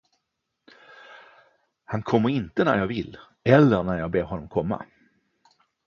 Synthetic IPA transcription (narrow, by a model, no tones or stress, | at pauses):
hankʰɔmːəɾɪnt̪ənæ̰ɾjɑːɡvɪlː | ɛlːənæɾjɑːbeːɾɦɔnːɔmkʰɔmːa̰